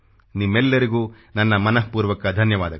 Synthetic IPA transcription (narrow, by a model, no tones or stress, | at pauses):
nimːɛlːɐɾiɡuː | nɐnːɐmɐnɐɦpuːɾʋɐkɐd̪ʱɐnjɐʋaːd̪ɐɐ